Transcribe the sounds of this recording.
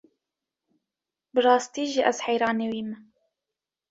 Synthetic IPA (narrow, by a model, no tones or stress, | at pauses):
bɨrɑːst̪iːʒiʔɛzħajɾɑːnewiːmɨ